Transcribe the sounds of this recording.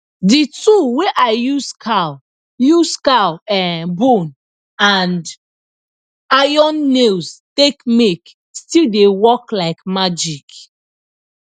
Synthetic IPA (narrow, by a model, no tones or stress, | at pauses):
dituweʔaɪjuskʰal | juskalɛbũn | and | ajɔnːestekmek | stildewɔklaɪkmad͡ʒik